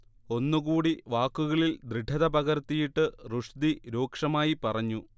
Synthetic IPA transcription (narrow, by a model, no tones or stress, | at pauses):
o̞nːuɣuːɽiʋaːkːuɣɐɭild̪ɾiɖʰʱɐðɐpɐɣɐɾt̪ːijiʈːɨruʂd̪iɾo̞ːkʂɐmaːjipɐrɐɲːu